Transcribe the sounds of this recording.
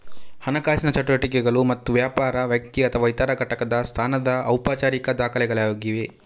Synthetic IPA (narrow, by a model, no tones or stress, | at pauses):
hɐnɐkaːsinɐt͡ʃɐʈoɾɐʈik̬ɛɡɐɭumɐt̪ːuʋjaːpaːɾɐʋjɐk̚t̪iɐt̪ʰɐʋɐjt̪ɐːɾɐɡɐʈɐkɐd̪ɐst̪ʰaːnɐd̪ɐɐwpaːt͡ʃaːɾikɐd̪aːkʰɐlɛɡɐɭaːjoːɡiʋe